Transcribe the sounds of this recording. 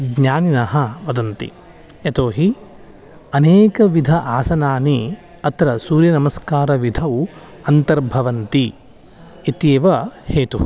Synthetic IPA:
ɡɲaːninɐɦɐʋɐd̪ɐnt̪ḭ | et̪oːɦi | ɐneːkɐʋid̪ʱɐʔaːsɐnaːni | ɐt̪ɾɐsuːɾjɐnɐmɐskaːɾɐʋid̪ʱɐʋ | ɐnt̪ɐɾbʱɐʋɐnt̪i | it̪jeːʋɐheːt̪u

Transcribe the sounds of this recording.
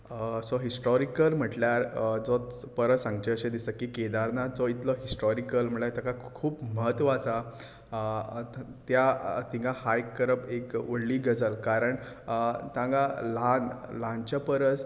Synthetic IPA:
əsɔɦisʈɔɾikəlm̤əʈljaɾd͡zɔ | pəɾəsãŋɡ̚t͡ɕeəɕed̪isəkiked̪aɾnad͡zɔit̪lɔɦisʈɔɾikəlm̤əɭat̪akakʰuːpməɦət̪ʋat͡sa | t̪jat̪ĩŋɡahajkːəɾəpekəɽliːɡʱəd͡zəlkaɾəɳ | t̪ãŋɡalãnlãnt͡ɕapəɾət͡s

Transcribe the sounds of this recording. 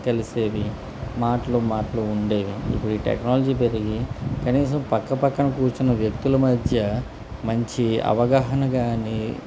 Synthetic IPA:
kɐliseːʋi | maːʈɐlumaːʈɐluuɳɖe̞ːʋiḭpːuɽiːʈḛknaːlɐd͡ʒiːp̬eɾiɡikɐniːs̬ɐmpɐkːɐpɐkːɐnɐkuːɾt͡ʃunɐʋjɐk̚t̪ulɐmɐd̪ʱjɐ | mɐɲt͡ʃiɐ̰ʋɐɡaːɦɐnɐɡaːni

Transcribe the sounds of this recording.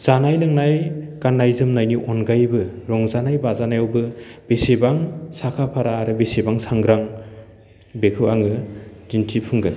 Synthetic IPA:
z̥anajlɯŋnajkanːajzɯmnajniʔɔnɡajbɯɾɔŋzanajbazanajawbɯb̥esebaŋsakʰapʰaɾaːɾɯbesebaŋsaŋɡɾaŋ | bekʰɯwaŋɯzintʰipʰɯŋɡɯn

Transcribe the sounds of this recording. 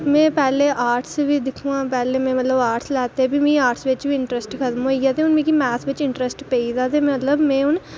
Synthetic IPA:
mẽːpɛːleʔaːɾʈsbiːd̪ɪkʰũãːpɛːleːmɛ̃ːmət̪ləbaːɾʈslɛːt̪ebʱimĩːaːɾʈsʋɪt͡ʃbʱiɪɳʈɾesʈkʰət̪moiɡjaːt̪̬eʊnmẽːkimɛːsʋɪt͡ʃɪɳʈɾesʈpeid̪aːt̪em̃mət̪ləbmẽːʊn

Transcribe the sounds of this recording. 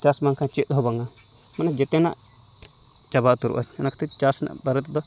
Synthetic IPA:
t͡ʃasmaŋkʰãt͡ʃit̪ɦɔbaŋa | manɛd͡ʒɛt̪ɛna̰ʔ | t͡ʃaβaʔt̪uɾṵʔaanakʰt̪ɛt͡ʃasna̰ʔbaɾɛt̪d̪ɔ

